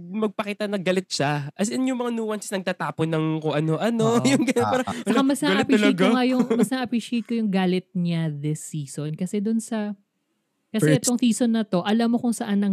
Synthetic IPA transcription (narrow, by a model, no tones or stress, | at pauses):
mɐɡ̚pɐkiːt̪ɐnɐɡɐlɪt̪̚ʃaʔɐs̬ɐnjʊŋmɐŋanuːwɐnsɪ̥snɐɡ̚t̪aːt̪aːponɐŋkoʔɐnoʔɐnojʊŋɡɐnopɛːɾɐt͡ʃɐkamɐsnɐʔɐpiɐʃjɡŋajʊŋmɐsnɐʔɐpɹiːʃejt̪̚kojʊŋɡaːlɪt̪̚ɲɐd̪ɛsiːsonkɐsɛd̪ʊnsɐ | kɐsɛt̪kʊŋsiːsonːɐt̪o̞ʔɐlamːo̞kʊŋsɐʔanːɐŋ